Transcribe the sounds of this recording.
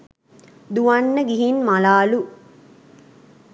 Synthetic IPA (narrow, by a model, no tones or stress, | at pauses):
d̪uʋanːəɡiɦinmalaːlu